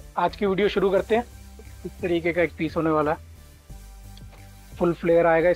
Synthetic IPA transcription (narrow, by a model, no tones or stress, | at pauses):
aːd͡ʒkiʋiːɖijoʃʊɾukɐɾt̪eɦɛ̃ː | ɪst̪ɐɾiːkekaeːk̚piːsɦoːneʋaːla | fʊlfʰleːjəɾaːeːɡaɪ